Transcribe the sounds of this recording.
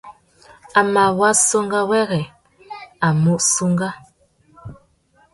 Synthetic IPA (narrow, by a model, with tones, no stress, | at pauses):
a˨ma˨wa˦so˦ŋɡa˦wɛ˦ɣɛ˨ | a˨mu˦˨ʔsu˦ŋɡa˦